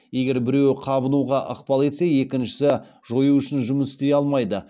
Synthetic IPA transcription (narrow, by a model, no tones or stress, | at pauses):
je̞ɡʲe̞ɾbɪɾe̞wqʰɑbənuʁɑʔə̰qpɑlˠe̞t̪se̞je̞kʲɪnʃɪ̥sɪ | ʒo̞juʏʃɪnʒʊməsst̪e̞jɑlˠmɑjd̪ə